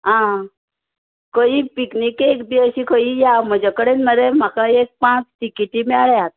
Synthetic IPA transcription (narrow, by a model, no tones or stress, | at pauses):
ɦã | kəipiknikekd̪iəɕikʰəijam̤əd͡ʑakəɽenməɾem̤akaek̚pãt͡sʈikiʈimeaɭeat̪